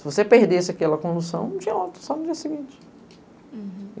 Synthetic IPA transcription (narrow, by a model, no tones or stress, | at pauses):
sɪvosepeɾd̪esɪɐkɛlɐkõd̪usɐ̃w̃nũt͡ʃĩɲɐot̪ɾu̥sɔnʊd͡ʒiɐsiɡĩt͡ʃɪ̥